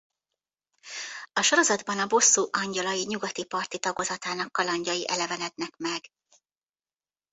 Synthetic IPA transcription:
ɒʃoɾo̞zɒd̪bɒnɒbo̞sːuːʔɒɲɟɒlɒjiɲuɡɒt̪ipɒrt̪it̪ɒɡo̞zɒt̪aːnɒkːɒlɒɲɟɒjiʔɛlɛvɛnɛd̪nɛkmɛɡ̥

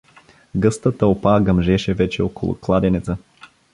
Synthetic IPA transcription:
ɡɤst̪ət̪əopaɡəmʒɛʃɛvɛt͡ʃɛoko̰lˠʊ̰klˠad̪ɛnɛt̪sə

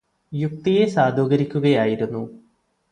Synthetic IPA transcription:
juk̚t̪ije̞saːd̪ʱoːɣɐɾikʲːuɣɐjaːjiɾunːu

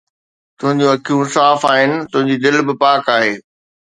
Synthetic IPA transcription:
t̪ʊɦɪ̃ɲd͡ʑũɐkʰijũsaːfaːɦɪnɪ̆t̪ʊ̃ɦɪ̃ɲd͡ʑid̪ɪlbɪpaːkaːɦeː

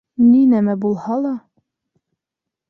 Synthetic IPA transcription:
ninæmæbulˠhɑlˠɑ

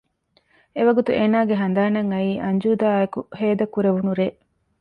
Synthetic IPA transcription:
eʋɐɡut̪uʔeːnaːɡeɦɐnd̪aːnɐŋɐiːʔɐɲd͡ʒuːd̪aːekuheːd̪ɐkuɾeʋunuɾeːʔ

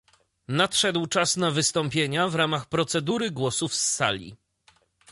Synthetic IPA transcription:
natʂɛd̪wt͡ʂasnavɘst̪ɔmpʲjeɲavɾamaxpɾɔt̪sɛd̪uɾɘɡwɔsufsːa̰lʲḭ

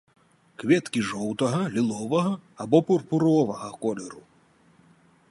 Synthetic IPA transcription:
kvʲɛt̪kʲiʐɔwt̪ɐɣɐlʲilˠɔvɐɣɐabɔpurpuɾɔvɐɣɐkɔlʲɛɾu

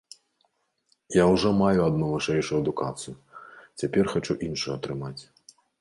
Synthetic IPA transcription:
jawʐɔmajuɐd̪nuvɨʂɛjʂujuɐd̪ukat̪sɨjut͡sʲapʲɛrxat͡ʂuʔinʂujuɐt̪ɾɨmat͡sʲ

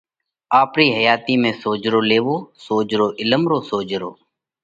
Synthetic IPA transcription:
aːpɾiːɦəjaːt̪iːmẽːsoːd͡ʒɾoːleːʋoːsoːd͡ʒɾoːʔɪləmɾoːsoːd͡ʒɾo̰ː

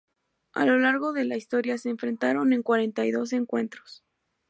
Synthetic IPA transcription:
a̰lo̞laɾɣo̞ðe̞laist̪o̞ɾjase̞ːɱfɾe̞nt̪aɾo̞ne̞ŋkwaɾe̞nt̪ajðo̞s̬e̞ŋkwe̞nt̪ɾo̞̥s

